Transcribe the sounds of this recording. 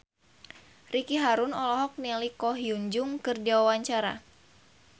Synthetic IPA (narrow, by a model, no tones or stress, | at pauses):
rikiɦaɾunɔlɔɦɔk̚nɛlikɔɦijuɲd͡ʒʊŋkɨrdiwawaɲt͡ʃaɾa̰